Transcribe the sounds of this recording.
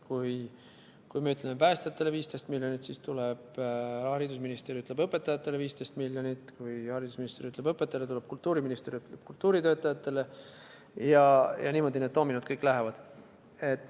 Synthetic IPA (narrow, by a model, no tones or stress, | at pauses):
kuj | kujmeyt̪lemepæːst̪ɑt̪ːˑeleviːst̪e̞jst̪milʲjonit̪sist̪uleb̥ɑɾid̪usminist̪eɾiyt̪ːˑlebɤpːˑe̞t̪ːˑɑjɑt̪ːˑe̞leviːst̪ejst̪miljonit̪ˑkujhɑɾid̪usminist̪eɾiyt̪lebɤpːˑet̪ːˑɑlet̪ule̞b̥kult̪ːˑuːɾiminist̪eɾiyt̪ːˑleb̥̚kult̪ːuːɾit̪ø̞ːt̪ːˑɑjɑt̪ːˑe̞le̞ | jɑjɑ̰niːmo̞d̪ine̞d̪o̞ːminud̪̥̚kɤjkːˑlæɦevɑd̪̥ | et̪ːˑ